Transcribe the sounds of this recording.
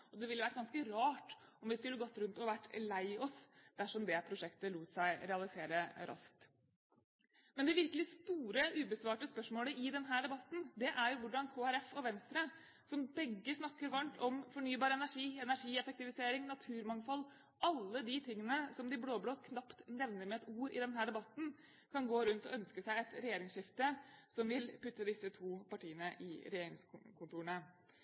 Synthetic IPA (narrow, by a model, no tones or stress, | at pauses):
ɔd̪ɛʋɪlːəʋæʈ̚ːɡɑnskəɾɑːʈɔmʋɪskʉlːəɡɔt̪ːɾʉnt̪ɔʋæʈːlæɪɔsd̪̥æʂɔmd̪ɛpʰɾʊʂɛkt̪əluːt̪sæɪɾɛɑlɪseːɾəɾʔɑ̰sk̚t̪ | mɛnd̪ɛʋɪɾkəlɪst̪uːɾəʔʉːbəsʋɑːʈəspœʂmoːləʔɪd̪ɛnɦæːɖɛbɑt̪ːn̩d̪ɛʔæɾjʊʋʊɖɑnkʰoːæɾɛfɔʋɛnst̪ɾə | sɔmbɛɡːəsnɑkːəɾʋɑɳʈ̪ʰɔmfɔɳyːbɑːɾəɛnæʂiːɛnæʂiːɛfək̚t̪ɪʋɪseːɾɪŋnɑt̪ʰʉːɾmɑŋfɔlː | ɑlːəd̪it̪ʰɪŋːənəsɔmd̪ɪbloːbloːt̪̚kʰnɑpt̪nɛʋnəɾmɛɛt̪uːɾɪ̰d̪ɛnɦæːɖɛbɑt̪ːn̩ | kʰɑnɡoːɾʉnt̪ɔ̰œnskəsæɪɛt̪ɾɛjeːɾɪŋʂɪft̪əsɔmʋɪlpʉt̪ːəd̪ɪsːət̪ʰuːpɑʈiːənəʔɪ̰ɾɛjeːɾɪŋskʰʊnt̪uːəɳə